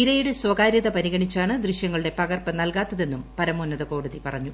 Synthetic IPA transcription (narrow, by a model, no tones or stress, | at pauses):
iɾɐjuɽeswɐɡaːɾjɐðɐpɐɾiɣɐɳit͡ɕːaːɳɨd̪riɕjɐŋːɐɭɨɽe̞pɐɣɐrpɐnɐlkaːt̪ːɐðe̞nːumpɐɾɐmuːnːɐðɐko̞ːɽuðipɐrɐɲːu